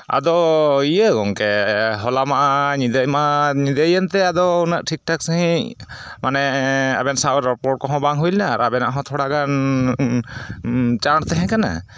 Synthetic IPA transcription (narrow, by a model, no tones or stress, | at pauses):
a̰d̪ɔiəɡɔŋkɛɦɔlamaʔaɲid̪əjmaʔaɲid̪əjənt̪ɛad̪ɔunəʔʈʰik̚ʈɔk̚səɦĩʔ | manɛa̰bɛnsaɾɔpɔʈ̚kɔɦɔ̃baŋɦujlnaːɾabɛna̰ʔɦɔ̃t̪ʰɔɽaɡan | t͡ʃaɾt̪ɛɦɛ̃kana̰